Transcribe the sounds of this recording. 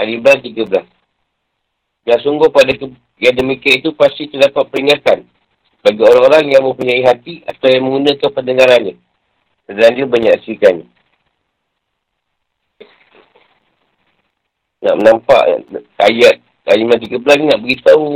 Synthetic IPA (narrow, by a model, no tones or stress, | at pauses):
adibəlast̪iɡəbəlas | daŋsuŋɡʊhpadakə | jaŋdəmikiait̪upast̪it̪ərdapat̪̚pəɾiŋat̪an | baɡioɾaŋoɾaŋjaŋmə̃pəɲaiɦat̪ia̰t̪awjaŋməŋɡunãkanpəndəŋaɾanɲə | sədaandiəbaɲaʔsikanɲə | na̰ʔmənampa̰ʔajat̪̚ | adiblant̪iɡəbəlasninaʔbəɡit̪au